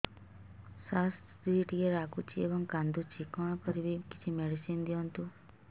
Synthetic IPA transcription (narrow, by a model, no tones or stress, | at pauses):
sas | d̪iʈieɾakut͡ʃʰiḛbɔŋkand̪ut͡ʃʰikɔ̃ãkɔɾibiki̥t͡ʃʰimeɽisind̪iɔnt̪u